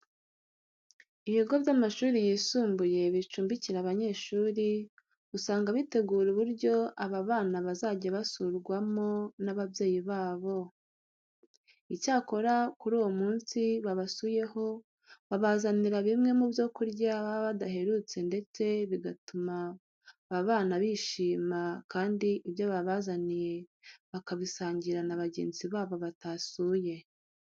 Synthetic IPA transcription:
iβiɡo̞bjamaʃuːɾijiːsuːmbuje̞βit͡ʃuːmbiciɾaβaɲe̞ːʃuːɾi | usaːŋɡaβite̞ɡuːɾuβuɾɟo̞ʔaβaβaːnaβazaːɟaβasuːɾɡwamo̞naβabje̞ːjiβaːβo̞ | icaːko̞ɾakuɾuːwo̞muːnsiβaβasuːje̞ho̞ | βaβazaniɾaβimŋe̞mubjo̞kuɾɟaβaβadaɦe̞ɾuːt͡se̞nde̞t͡se̞βiɡatumaː | βaːnaβiʃiːmakaːndiʔiβjo̞βaβazanije̞βakaβisaːɲɟiɾanaβaɟe̞̰ːnziβaːβo̞βatasuːje̞

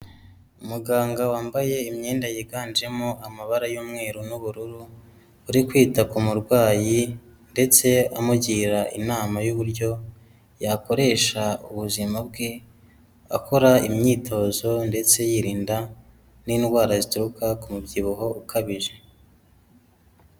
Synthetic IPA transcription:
umuɡaːŋɡawaːmbaje̞imɲeːndajiɡaːnd͡ʒe̞moamaβaɾajuːmŋe̞ːɾunuβuɾuɾuː | ɾikwiːtakumuɾɡwaːji | nde̞t͡se̞amuɟiːɾaʔinaːmajuβuɾɟo̞ | jako̞ɾe̞ːʃauβuzimab̚ɡe | a̰kʰo̞ɾaimɲiːtʰo̞zo̞nde̞t͡se̞jiɾiːnda | niːnɡwaːɾazituɾukakumubɟiβuɦo̞ukʰaβiʒe̞

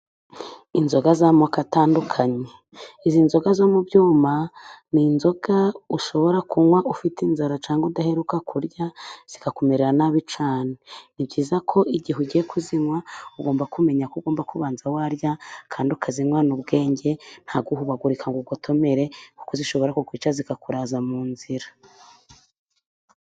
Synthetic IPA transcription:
inzo̞ɡazamokataːndukʰaɲe | izinzo̞ɡazo̞mubjuːmaninzo̞ɡ̥auʃo̞βo̞ɾakuŋwaʔufitinzaɾat͡ʃaːŋɡudahe̞ɾukakuɾɟaz̥ikakomeɾeɾanaβit͡ʃaːnenibɟiːzakʰo̞iɟiɦuɟijekʰuziŋwauɡo̞ːmbakume̞ɲakuɡo̞ːmbakuβaːnzawaɾjakʰaːndiukʰaziŋwanubɡe̞ːɲɟe̞n̥haɡuhuβaɡuɾikʰaŋɡuɡotʰo̞me̞ɾe̞kukuziʃo̞βo̞ɾakukwit͡ʃazikakuɾaːzamuːnziɾa

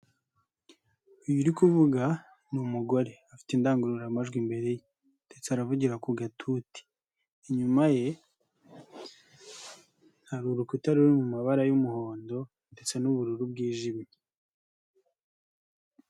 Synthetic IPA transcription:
ujuɾikuvuɡa | numuɡo̞ɾe̞afi̥tiːndaːŋɡuɾuɾamaʒɡwimbe̞ɾe̞je | nde̞t͡seaɾavuɟiɾakuɡatʰuti̥ː | ɲumaje̞ | naɾuɾukutaɾuɾimumaβaɾajumuho̞ːndo̞ | nde̞t͡se̞nuβuɾuɾubɡiːʒimi

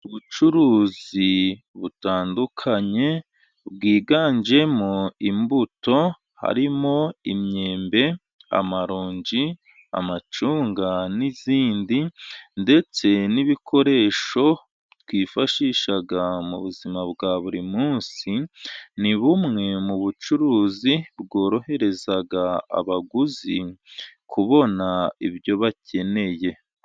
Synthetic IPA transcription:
uβut͡ʃuɾuːzi | βutaːndukʰaɲe̞ | bɡiːɡaːɲd͡ʒe̞moimbuto̞ | ha̰ɾimo̞imɲe̞ːmbe̞ | a̰maɾuːɲɟi | a̰mat͡ʃuːŋɡaniziːndinde̞t͡se̞niβikʰo̞ɾe̞ːʃo̞ | t̪wiːfaʃiːʃaɡamṵβuzimabɡaβuɾimuːnsiniβumŋe̞muβut͡ʃuɾuːzibɡo̞ːɾo̞he̞ɾe̞zaɡaa̰βaɡuzikʰuβo̞naiβjo̞βacʰe̞ne̞je̞

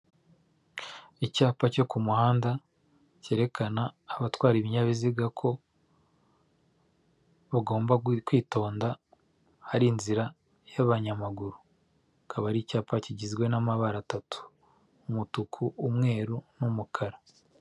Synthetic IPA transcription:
icaːpaco̞kumuhaːnda | ce̞ːɾe̞kʰanaːβatwaːɾiβiɲaβiziɡakʰo̞ | βaɡo̞ːmbakwiːto̞ːnda | haɾinziɾa | jaβaɲamaɡuɾu | kʰaβaɾiːcaːpaciɟizɡwe̞namaβaɾatatʰu̥ː | mutukʰuʔːmŋe̞ːɾunumukʰaɾa

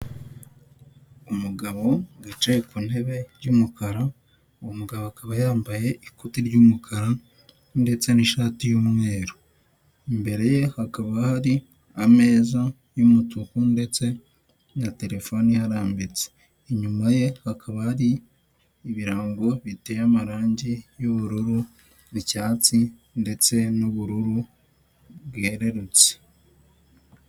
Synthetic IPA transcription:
umuɡaβo̞ɡat͡ʃajekun̥he̞βe̞ɾɟuːmukaɾa | uomuɡaβoakaβajaːmbaje̞ʔikutiɾɟuːmukʰaɾa | nde̞t͡se̞niʃaːtijumŋe̞ːɾo | imbe̞ɾe̞je̞hakaβahaɾi | ame̞ːza | jumutukunde̞t͡se̞ | nate̞ɾe̞fo̞nihaɾaːmbet͡se̥ː | ɲumaje̞hakʰaβahaɾiː | βiɾaːŋɡo̞βitejamaɾaːɲɟijuβuɾuɾu | βicaːt͡si | nde̞t͡se̞nuβuɾuɾu | βweɾe̞ɾut͡se̥

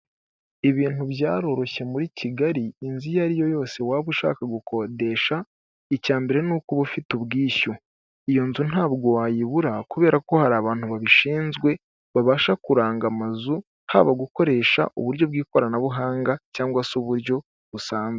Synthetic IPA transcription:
iβiːnuβjaːɾo̞ɾo̞çe̞muɾiciɡaɾiːnzijaɾijo̞jo̞ːse̞waːβuʃa̰ːkaɡukʰode̞ʃa | icaːmbeɾe̞nukuβufituβɡiːʃo | ijo̞nzun̥aːβɡo̞waːjiβuɾakuβe̞ːɾako̞haɾaːβaːntuβaβiʃiːnzɡwe̞ | βaβaːʃakuɾaːŋɡamazu | ha̰ːβaɡuko̞ɾe̞ːʃa̰ʔṵβuɾjo̞βɡiːko̞ɾanaβuɦaːŋɡacaːŋɡwasuβuɾjo̞ | βusaːnze

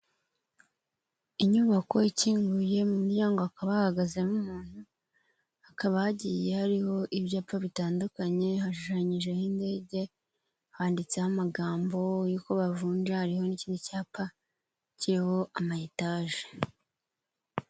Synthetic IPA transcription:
iɲuβako̞iciːŋɡuje̞mumuɾɟaːŋɡo̞akaβahahaɡazenumuːn̥hu | akaβahaɟiːje̞haɾiho̞ʔiβjaːpaβitaːndukaɲe̞haʃuʃaɲiʒe̞hinde̞ːɟe̞ | haːndit͡sehamaɡaːmbo̞juːko̞βavuːnʒahaɾiho̞niciːnducaːpa | ciɾeho̞amaitaːʒe̥

